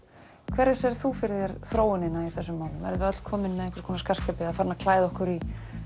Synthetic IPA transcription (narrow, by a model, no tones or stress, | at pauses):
kʰvɛɾðɪsɛɾ̥θufɪɾðɪɾθɾoːwɪnɪnaiθɛsːʏmːaːwlʏmɛ̰ɾðʏœt̪l̥kʰɔːmɪnːaðɛhkḁkʰɔːnaskar̥kapɪafaɾnakʰlaːjðɪɔhkʏɾi